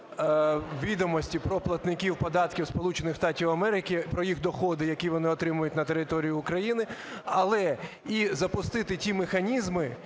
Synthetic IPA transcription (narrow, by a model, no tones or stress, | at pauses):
ʋʲid̪ɔmɔsʲtʲipɾɔplˠɐt̪nɪkʲiwpɔd̪ɑt̪kʲiwspɔlˠut͡ʃenɪxst̪ɑtʲiwɐmɛɾɪkɪpɾɔjixd̪ɔxɔd̪ɪjɐkʲiʋɔnɪɔt̪ɾɪmʊjʊtʲnɐt̪e̞ɾɪt̪ɔɾʲijʊːkɾɐjinɪɐlˠɛ | izɐpʊst̪ɪt̪ɪtʲimexɐnʲizmɪ